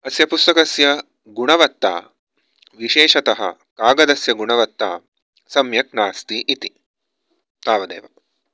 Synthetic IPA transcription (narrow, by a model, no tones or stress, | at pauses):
ɐsjɐpust̪ɐkɐsjɐ | ɡuɳɐʋɐt̪ːa̰ː | ʋiʃeːʂɐt̪ɐɦɐ̰ | kaːɡɐd̪ɐsjɐɡuɳɐʋɐt̪ːa̰ː | sɐmjɐknaːst̪iʔit̪i̥ | t̪aːʋɐd̪ɐ̰ːʋɐ̰